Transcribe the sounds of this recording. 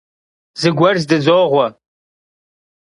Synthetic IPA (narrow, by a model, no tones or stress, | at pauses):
zɨɡʷɐrzdɨzoʁʷa